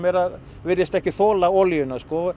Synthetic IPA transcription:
mɛɾað | vɪɾjɪst̪ɛhcɪθoːlaoljʏnaskɔ

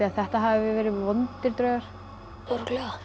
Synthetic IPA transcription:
iaθɛht̪aɦavɪvɪvɛːɾɪvɔnt̪ɪɾt̪ɾœːɥɣaɾ̥ | ɔɾklɛa

